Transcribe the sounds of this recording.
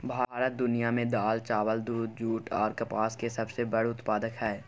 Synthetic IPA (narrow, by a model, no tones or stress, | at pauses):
bʱaːɾət̪̚d̪ʊnijamẽd̪aːlt͡ʃaːʋəld̪uːd̪̚d͡ʒuːʈʰɔ̰ːɾkɐpaːskesɐbsebɐɽʊt̪paːd̪əkɦɛː